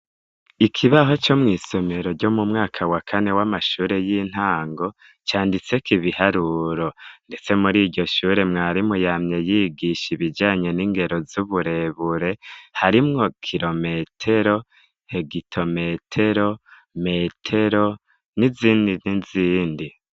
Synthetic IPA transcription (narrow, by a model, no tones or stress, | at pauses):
ikʰiβaɦo̞t͡ʃo̞mŋiːso̞me̞ɾo̞ɾɟo̞mumŋaːkʰawakʰane̞wamaʃuːɾe̞jiːn̥haːŋɡo̞ | t͡ʃaːndit͡se̞kiβihaɾuɾo̞nde̞t͡se̞muɾiːɟo̞ʃuːɾe̞mŋaːɾimujaːmɲe̞jiːɡiʃiβid͡ʒaːɲe̞niːŋɡe̞ɾo̞zuβuɾe̞βuɾe̞haɾimŋo̞kʰiɾo̞me̞tʰeɾo̞ | he̞ɡitʰo̞me̞tʰe̞ɾo̞ | me̞tʰe̞ɾo̞ | niziːndiniziːndi